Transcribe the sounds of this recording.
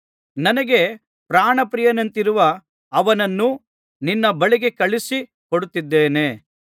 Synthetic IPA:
nɐnɐɡe̞ | pɾaːɳɐpɾijɐnɐnt̪iɾuʋɐ | ɐʋɐnɐnːu | ninːɐbɐɭiɡe̞kɐɭisi | koɽut̪ːid̪ːeːne̞

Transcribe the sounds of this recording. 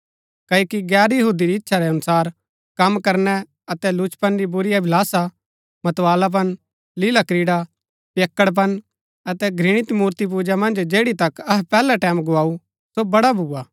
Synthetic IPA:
kɐːjːkiɡɛːɾjɐɦuːd̪iɾiɪtːʃʰaɾɛɐnʊsaːɾ | kɐmkɐɾnɛ | ɐt̪ɛlʊt͡ʃpɐnɾibʊɾɪjabʱɪlaːsa | mɐt̪ʋaːlap̬ɐn | lɪlakɾiːɽa | pjekːəɽp̬ɐn | ɐt̪ɛɡʱɾɪɽ̃ɪt̪muːɾt̪ip̬uːd͡ʒamɐ̃nd͡ʒd͡ʒeːɽit̪ɐkɐɦpɛːlaʈɛːmɡʊaːu | sobɐɽabʱuːaː

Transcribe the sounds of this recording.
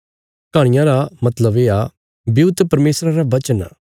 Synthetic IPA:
kaːɽ̃ɪjãɾamɐt̪ləbeːa | biʊt̪ːpɐɾmeːsɾãɾaʋɐt͡ʃəna̰

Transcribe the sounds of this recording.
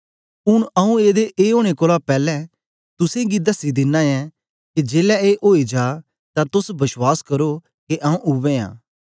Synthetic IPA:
ʊɽɐũeːd̪eʔeːoːɽ̃ekoːlapɛːlɛ̃ | t̪ʊsẽɡid̪əsid̪ɪnːãːjɛ̃ː | kid͡ʒeːlɛeːʔoːid͡ʒaː | t̪ãt̪ʊsbɪswaːskɐɾo | keʔaũʔʊʋẽːã̰ː

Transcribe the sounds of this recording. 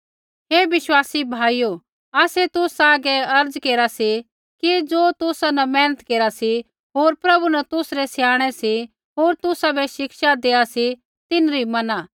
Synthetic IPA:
ɦeːʋɪʃwaːsibʱaːijo | aːsɛt̪ʊsaːɡɛɐɾd͡zkeːɾasi | kid͡zoːt̪ʊsanɐmɛːnət̪keːɾasi | ɦoːɾpɾɐbunɐt̪ʊsɾɛsjaːɽ̃ɛsi | ɦoːɾt̪ʊsabɛʃɪkʃad̪eːasi | t̪ɪnɾimɐnaː

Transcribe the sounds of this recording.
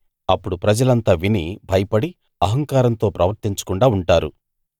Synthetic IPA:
ɐpːuɽupɾɐd͡ʒɐlɐnt̪aːʋinibʱɐjɐpɐɽi | ɐɦɐŋkaːɾɐnt̪o̞ːpɾɐʋɐɾt̪iɲt͡ʃɐ̥kuɳɖaːuɳʈaːɾu

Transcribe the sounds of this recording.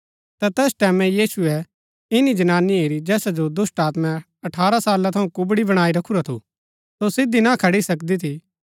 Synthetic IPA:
t̪at̪ɛːsʈɛːmɛ̃jiːsuɛ | ɪnid͡ʒɐnaːniɦeːɾid͡ʒɛːsad͡ʒod̪ʊsʈaːt̪mɛ̃ | ɐʈʰaːɾasaːlat̪ʰɐũkʊbɽibɐɽ̃aːiɾɐkʰuɾat̪ʰṵ | sosɪd̪inakʰɐɽisɐkd̪it̪ʰi

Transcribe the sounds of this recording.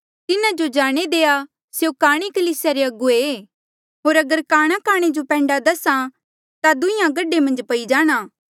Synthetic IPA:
t̪ɪnãd͡ʒod͡ʒaːɽ̃ed̪eːa | sjokaːɽ̃ikɐliːsjaɾeɐɡue | ɦoːɾɐɡəɾkaːɽ̃ãkaːɽ̃ed͡ʒopɛ̃ːɳɖad̪ɐsã | t̪ad̪ʊɪ̃jãɡɐɖemɐ̃nd͡ʒpɐid͡ʒaːɽ̃aː

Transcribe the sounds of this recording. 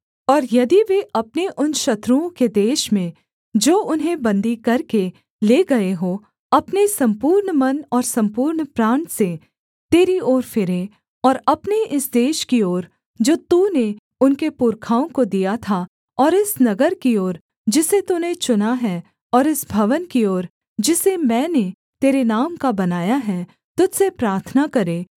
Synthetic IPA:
ɔːɾjɐd̪iʋeʔɐpneʔʊnʃɐt̪ɾuõked̪eːʃmẽ | d͡ʒoːʊnɦẽbɐ̃nd̪ikɐɾke | leːɡɐeɦo | ɐpnesɐ̃mpuːɾɳmɐnɔːɾsɐ̃mpuːɾɳpɾãːɳse | t̪eːɾioːɾfɪɾẽ | ɔːɾɐpneʔɪsd̪eːʃkioːɾ | d͡ʒoːt̪une | ʊnkepʊɾkʰaːõkod̪ijat̪ʰa | ɔːɾɪsnɐɡəɾkioːɾ | d͡ʒɪset̪unet͡ʃʊnaɦɛ | ɔːɾɪsbʱɐʋənkioːɾ | d͡ʒɪsemɛ̃ːne | t̪eːɾenaːmkabɐnaːjaɦɛ | t̪ʊd̪sepɾaːɾt̪ʰnakɐɾeː

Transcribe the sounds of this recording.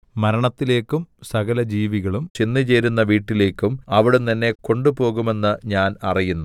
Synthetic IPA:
mɐɾɐɳɐt̪ːile̞ːkːumsɐɣɐlɐd͡ʑiːʋiɣɐɭumt͡ɕinːɨt͡ɕe̞ːɾunːɐʋiːʈːile̞ːkːumɐʋiɽeɐnːe̞ko̞ɳɖupo̞ːɣume̞nːɨɲaːnɐrijunːu

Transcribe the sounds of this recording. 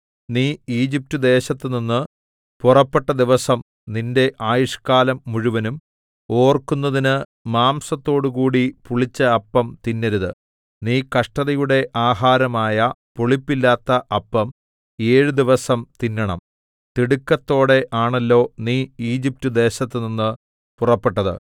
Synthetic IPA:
niːiːd͡ʑip̚tud̪e̞ːɕɐt̪ːɨninːɨ | purɐpːe̞ʈːɐd̪iʋɐsɐm | ninde̞ʔaːjuʂkaːlɐmːuɻuʋɐnum | o̞ːrkunːɐðinɨmaːmsɐt̪ːo̞ːɽukuːɽipuɭit͡ɕːɐːpːɐmt̪inːɐɾuðɨ | niːkɐʂʈɐðɐjuɽe̞ʔaːɦaːɾɐmaːjɐpoɭipːilːaːt̪ːɐʔɐpːɐm | e̞ːɻud̪iʋɐsɐmt̪inːɐɳɐ̰m | t̪iɽukːɐt̪ːo̞ːɽe̞ʔaːɳɐlːo̞ːniːiːd͡ʑip̚tud̪e̞ːɕɐt̪ːɨninːɨ | purɐpːe̞ʈːɐðɨ̰

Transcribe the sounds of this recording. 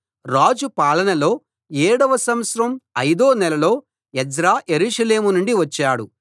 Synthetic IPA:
ɾaːd͡ʒupaːɭɐnɐlo̞ː | ɛːɽɐʋɐsɐmɐt̪sɾɐmɐjd̪o̞ːnɛlɐlo̞ː | ɛd͡ʒɾaːjeɾuːʃɐle̞ːmunuɳɖiʋɐt͡ʃːaːɽu

